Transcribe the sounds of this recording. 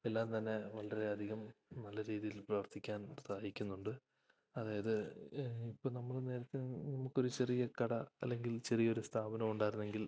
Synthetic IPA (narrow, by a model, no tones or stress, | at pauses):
elːaːnt̪ɐnːe̞ʋɐɭɐreɐd̪ʱiɣɐmnɐlːɐɾiːðijilprɐʋɐrt̪ʰːikʲːaːnsʰaːjikʲːunːuɳɖɨ | ɐðaːjɐðɨ | ipːo̞ːɭnɐmːɐɭne̞ːɾɐt̪ːenɐmukːo̞ɾut͡ɕerijɐkɐɽɐɐ̰lːe̞ŋɡilt͡ɕe̞rijɐo̞ɾust̪ʰaːbɐnɐmuɳɖaːjɾunːe̞ŋɡil